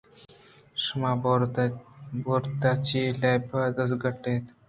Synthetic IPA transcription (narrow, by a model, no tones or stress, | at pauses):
ʂma | boɾt̪at͡ɕilajbəd̪əsɡəʈet̪